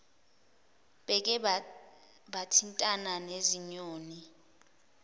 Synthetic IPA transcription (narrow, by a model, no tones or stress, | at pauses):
ɓɛk̬ʼɛ | ɓatʰintʼananeziɲoːni